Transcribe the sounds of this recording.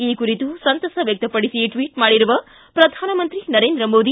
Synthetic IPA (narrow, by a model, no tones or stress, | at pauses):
iːkuɾit̪usɐnt̪ɐsɐʋjɐk̚t̪ɐpːɐɽisiʈʋiːʈmaːɽiɾuʋɐ | pɾɐd̪ʱaːnɐmɐnt̪ɾinɐɾeːnd̪ɾɐmoːd̪i